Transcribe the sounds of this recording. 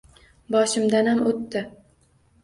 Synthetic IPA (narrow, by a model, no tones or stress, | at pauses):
bɒʃɪmd̪anhamot̪ːɪ